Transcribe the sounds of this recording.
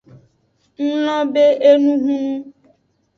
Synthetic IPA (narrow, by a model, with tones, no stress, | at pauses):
n̩˦lɔ̃˦be˦e˦nũ˦ɦũ˦nũ˦